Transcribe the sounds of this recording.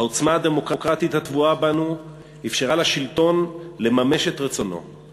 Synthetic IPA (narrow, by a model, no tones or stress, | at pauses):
aot͡smaad̪e̞mo̞kʁakʁat̪it̪hat̪vuabanu | ifʃeʁalaʃilto̞nle̞mame̞ʃet̪ʁet͡so̞no̞̰